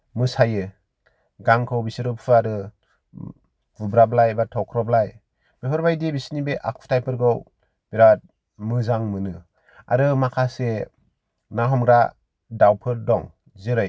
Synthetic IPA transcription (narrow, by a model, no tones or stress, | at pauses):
mɯsajɯ | ɡaŋkʰɯwbisɯɾɯpʰɯaɾɯ | bɯbɾablajbatʰɔkʰɾɔblaj | b̥epʰɯɾbajdibisnibeʔak̚fʰtʰajpʰɯɾɡɯw | b̥iɾat̚ | mɯzaŋmɯnɯ | a̰ɾɯmakʰase | naɦɔmɡɾa | dawpʰɯɾdɔŋ | zɯɾɯj